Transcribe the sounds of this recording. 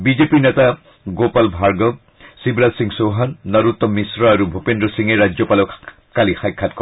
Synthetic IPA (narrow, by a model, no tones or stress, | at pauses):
bizepiɹneta | ɡopalbʱaɹɡɔɡ̚ | sibɾasiŋsɔɦanːɔɾut̪ːɔmisɹɔaɾubʱɔpendɹɔsiŋeɾad͡ʒjɔpalɔ | kalixajkʰːat̚kɔ